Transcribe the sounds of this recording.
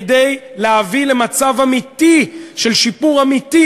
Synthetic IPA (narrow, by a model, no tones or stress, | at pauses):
de̞jleavile̞mat͡savamitiʃe̞lʃipuʁamiti